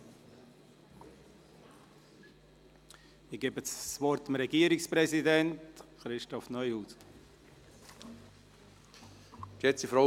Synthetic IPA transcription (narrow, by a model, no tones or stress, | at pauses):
ɪɡ̥ebət͡ssvɔɾtmɾɛɡiːəɾɪkspɾɛsidɛntχɾɪʃtɔfnœʏhutt | kɛt͡sifɾɔ